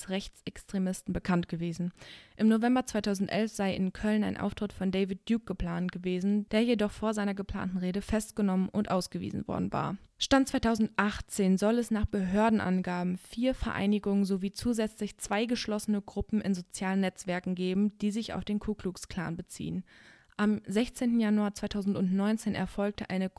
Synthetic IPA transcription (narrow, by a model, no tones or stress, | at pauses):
sʁɛçt͡sɛkstʁ̥emɪstn̩bəkʰantɡ̥əveːzn̩ʔɪmnovɛmbɐt͡sv̥aɪtʰaʊzn̩tʔɛlfz̥aɪɪ̰nkʰœləna̰ɪnʔa̰ʊftʁ̥ɪtfɔndɛɪvɪt̚d̥juːk̚ɡ̥əpl̥aːntɡ̥əveːzn̩d̥eːɐjedɔχfoːɐzaɪnɐɡəpl̥a̰ːntn̩ʁeːɾəfɛstɡ̥ənɔmənʔʊntʔaʊsɡ̥əvḭːzn̩vɔ̰ɐdn̩va̰ːɐʃtant̚t͡svaɪtʰaʊzn̩tʔaχt͡seːnzɔlɛsnaːχb̥əɦøːɐdn̩ʔa̰nɡaːbm̩fiːɐfɛɐʔa̰ɪnɪɡʊŋənzoviːt͡suːzɛt͡slɪçt͡sv̥aɪɡəʃlɔsənəɡʁʊpm̩ɪnzot͡sjaːlənːɛt͡sv̥ɛɐkŋ̩ɡeːbm̩d̥iːzɪça̰ʊfd̥eːnkʰuːkʰluːkskl̥a̰ːnbət͡sḭːən | ʔamzɛçt͡seːntn̩januaːɐt͡svaɪtʰaʊzn̩tʊntnɔʏnt͡seːnʔɛ̰ɐfɔlk̚təʔaɪnə